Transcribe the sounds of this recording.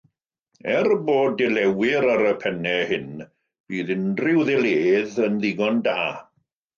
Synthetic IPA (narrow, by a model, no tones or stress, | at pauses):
ɛrboːdɪlɛwɪɾaɾəpʰɛnɛhɪn | b̥iːðɪnrɪwðɛlˠeːðənðɪɡɔndaː